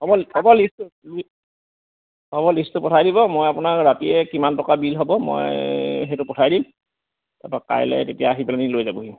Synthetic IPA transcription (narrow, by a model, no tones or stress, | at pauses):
ɔbɔlɔbɔlistʊl | ɔbɔlistʊpɔtʰajdibɔmojapʊnaɹɹatiɛkimantɔkabilɦɔbɔmɔ̰jɦetʊpɔtʰajdim | ta̰paka̰jlɛ̰tetijaːɦiplanilojzabuɦi